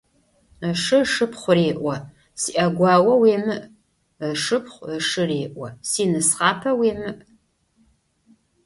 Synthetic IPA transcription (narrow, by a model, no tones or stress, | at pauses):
əʂɨʂɨpχʷʊreːʔʷɔ | siʔɐɡʷɑːwɐweːmɨʔ | ʂɨpχʷʂɨreːʔʷɐsiːnɨsʁɑːpʰɐweːmɨʔ